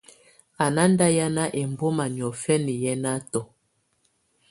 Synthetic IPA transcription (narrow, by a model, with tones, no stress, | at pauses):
a˨na˦n˦da˦ja˦na˦ʔe˨m˨bo˦ma˨n˨ɔ˨fɛ˦ni˨jɛ˦na˦tɔ˨